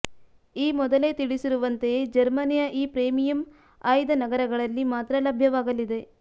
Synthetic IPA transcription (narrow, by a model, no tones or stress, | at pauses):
iːmɔd̪ɐle̞ːt̪iɽisiɾuʋɐnt̪ed͡ʒɐɾmɐnijɐʔiːpɾeːmijɐm | aːjd̪ɐnɐɡɐɾɐɡɐɭɐlːimaːt̪ɾɐlɐbʱjɐʋaːɡɐlid̪e̞